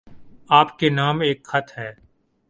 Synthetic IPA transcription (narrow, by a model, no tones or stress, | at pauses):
aːpkenaːmeːkxɐt̪ʰɦɛː